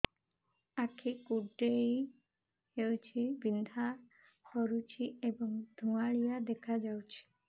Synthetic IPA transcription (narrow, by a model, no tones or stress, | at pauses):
akʰikuɖej | hewt͡ʃʰibind̪ʱa | xɔɾut͡ʃʰiebɔŋd̪ʱuŋaɭijad̪ɛkʰad͡ʒawt͡ʃʰi̥